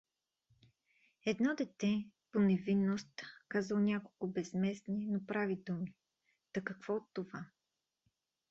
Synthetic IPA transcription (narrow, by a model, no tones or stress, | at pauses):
ɛd̪nɔd̪ɛt̪ɛponɛvinːost̪kazəlˠnʲakolˠkʊbɛzmɛsninopɾavid̪umi | t̪ɐkɐkv̥ɔot̪ːova